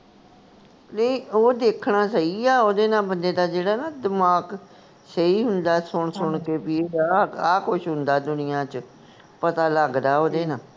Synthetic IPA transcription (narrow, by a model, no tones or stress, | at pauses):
leioːd̪eːkʰɳãːsəiːaːoːd̪eːnãːbənd̪eːd̪aːd͡ʒeːɽaːnaːd̪əmaːk | səiːɦʊnd̪aːsʊɳsʊɳkeːpiaːkʊʃɦʊnd̪aːd̪ʊnɪjãːt͡ʃ | pət̪aːləɡd̪aːoːd̪eːnãː